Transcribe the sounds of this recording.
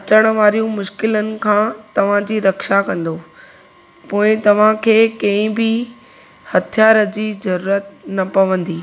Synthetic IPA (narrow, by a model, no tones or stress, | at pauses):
ɐt͡ɕəɽ̃̆ʋaːɾijũmʊʃkɪlənɪ̆kʰãːt̪ɐʋ̤ãd͡ʑiːɾɐkʃakɐ̃nd̪oː | poːɪ̃t̪ɐʋ̤ãkʰeːkɐ̃ɦɪ̃bɪ | hɐt̪ʰijaːɾəd͡ʑiːzɐɾuːɾət̪̚nɐpɐʋə̃nd̪iː